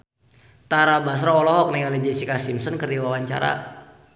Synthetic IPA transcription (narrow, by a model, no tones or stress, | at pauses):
t̪aɾabas̬ɾɔɔlɔɦɔk̚nɛŋalɛd͡ʒɛsikasimsɔnkərdiwawaɲt͡ʃa̰ɾa̰